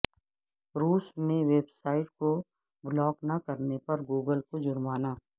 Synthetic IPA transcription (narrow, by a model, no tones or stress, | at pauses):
ɾuːsneʋeːbsaːɪʈko | blɔːknɐkɐɾnepɐɾɡuːɡəlkod͡ʒʊɾmaːnaː